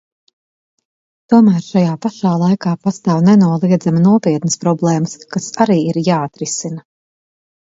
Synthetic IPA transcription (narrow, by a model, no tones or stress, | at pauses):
t̪uɔmæːɾʃajaːpaʃaːlˠajkaːpast̪aːwnɛnuɔlˠiɛd̪zamnuɔpiɛt̪nəspɾɔblˠɛːməskasaɾiːiɾjaːat̪ɾisina